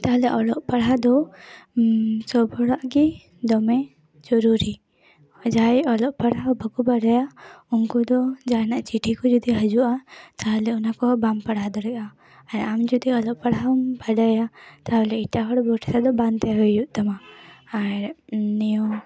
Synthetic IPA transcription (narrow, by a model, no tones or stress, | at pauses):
t̪aɦlɛʔɔlɔʔpɐɽ̤ad̪ɔ | sɔbʱɔɽaʔki | d̪ɔmɛ | d͡ʒɔɾuɾi | d͡ʒajɔlɔʔpaɽ̤abʱəkubaɽajaunkɔd̪ɔd͡ʒanaʔt͡ʃiʈʰikɔd͡ʒɔd̪iɦəd͡ʒuʔat̪aɦlɛʊnakɔbampɐɽad̪ɔɽɛʔaː | ɾamd͡ʒɔd̪iɔlɔʔpɐɽ̤abaɖajat̪aɦɔlɛiʈaɦɔɽɔbɔʈʰɛsad̪ɔbant̪ɛɦɔjuʔt̪amaaɾniɔ